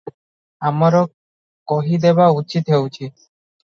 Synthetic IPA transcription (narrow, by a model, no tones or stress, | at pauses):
amaɾɔ | kɔɦid̪ebaut͡ʃit̪ɦewt͡ʃʰi